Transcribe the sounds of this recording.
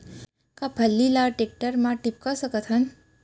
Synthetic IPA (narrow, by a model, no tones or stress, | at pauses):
kapʰəlːilaʈek̚ʈəɾmãʈip̚kəsəkət̪ʰən